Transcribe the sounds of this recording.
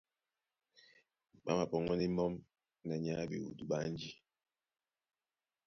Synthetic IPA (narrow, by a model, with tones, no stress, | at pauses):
ma̰˦ma˨pɔ˨ŋɔ˦ni˦mɔ˦m | nɛ˨ɲa˦bḭ˨wṵ˨du˦ɓa˦n˦d͡ʒi˦